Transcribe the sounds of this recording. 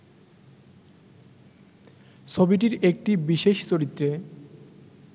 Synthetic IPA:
ʃobiʈ̬iɾek̚ʈibiʃeʃt͡ɕoɾit̪ːɾe

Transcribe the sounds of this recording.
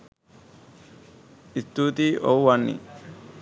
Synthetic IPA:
ist̪uːt̪iːʔowːanːḭ

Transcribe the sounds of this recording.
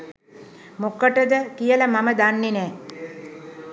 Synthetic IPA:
mokəʈəd̪əkijələmaməd̪anːenɛː

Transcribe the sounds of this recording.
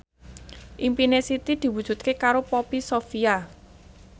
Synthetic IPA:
ʔimpinesit̪id̪̥i̤wud̥ʒ̥ṳt̪̚kekaɾopɔpisofia

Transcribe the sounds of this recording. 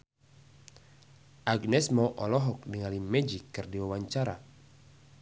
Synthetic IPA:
ʔaɡnɛsmɔʔɔlɔɦɔk̚niŋalimɛd͡ʒikːɨrdiwawaɲt͡ʃaɾa̰

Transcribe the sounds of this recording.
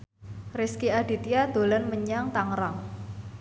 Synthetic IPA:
rɪskiaɖ̥it̪iad̪̥o̤lanməɲaŋt̪aŋɾaŋ

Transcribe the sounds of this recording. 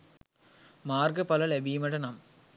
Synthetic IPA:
maːɾɡɐpɐlɐlɛbiːmɐɽɐnaːm

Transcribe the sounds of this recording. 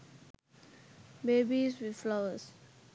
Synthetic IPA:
beːbizwid̪flaʊəs

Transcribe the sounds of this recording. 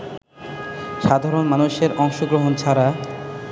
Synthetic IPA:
ʃad̪ʱaɾonmanuʃeɾʔɔŋʃoɡɾoɦont͡ɕʰaɾa

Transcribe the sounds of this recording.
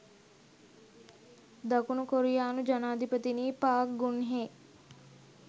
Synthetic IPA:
d̪akunukoɾijaːnud͡ʒanaːd̪ʱipət̪iniːpaːk̚ɡunɦe

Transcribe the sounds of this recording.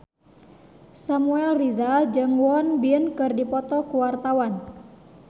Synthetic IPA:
samuɛlrizad͡ʒɨŋwɔnbiənkɨrdipɔt̪ɔkuwart̪awan

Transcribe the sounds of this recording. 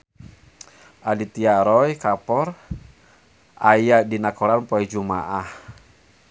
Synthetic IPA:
ʔadit̪iaɾɔjkapɔr | ʔajadinakɔlanpɔɛd͡ʒuma̰ʔah

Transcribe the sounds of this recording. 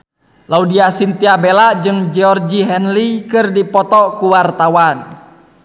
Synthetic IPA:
laudiasint̪iabɛlaʔd͡ʒɨŋd͡ʒɛɔrd͡ʒiɦɛnlikɨrdipɔt̪ɔkuwart̪awan

